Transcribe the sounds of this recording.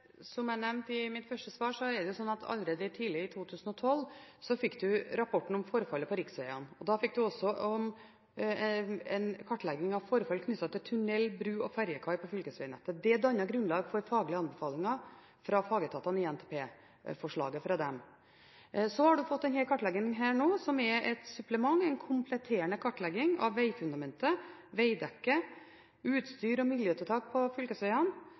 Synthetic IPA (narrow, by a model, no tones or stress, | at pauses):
sɔmæɪnɛmnt̪ɪmɪt̪fœʂʈəsʋɑːʂɔɛɖɛjʊsɔnːɑt̪ʰɑ̰lɾeːd̪əʈ̪ʰiːlɪɪt̪ʰuːt̪ʰʉːsn̩ɔt̪ʰɔlsɔfɪkːd̪ʉɾɑpʰɔʈːɳ̩n̩ɔmfɔɾfɑlːəpʰɔɾɪksʋɛɪɑnɔd̪ɑfɪk̚ːd̪ʉɔsɔɔm | ɛ̰nkʰɑʈːlɛɡɪŋɑʋfɔɾfɑlkʰnʏt̪ːɑt̪ʰɪlt̪ʰʉnɛlːbɾʉːɔfæɾjəkʰɑɪpɔfʏlkəsʋɛɪnɛt̪ːəd̪ɛd̪ɑnːɑɡɾʉnlɑːɡfɔɾfɑːɡlɪəɑnbɛfɑːlɪŋɑ | fɾɑfɑːɡət̪ʰɑːt̪ɑnɪɛnt̪ʰeːpʰeː | fɔʂɭɑ̰ːɡəfɾɑd̪ɛm | sɔhɑɖʉfɔt̪ːɛnheːlkɑʈlɛɡɪŋɦæːɳoːsɔmɛʔɛt̪sʉpləmɑŋɛɪnkʰʊmpʰlɛt̪ʰeːəɳəkʰɑʈːlɛɡɪŋɑ̰ʋːæɪfʉnd̪ɑmɛnt̪əʋæɪd̪ɛkːə | ʉːt̪st̪yːɾɔmɪljøːt̪ət̪ʰɑːk̚pʰɔfʏlkəsʋɛɪɑn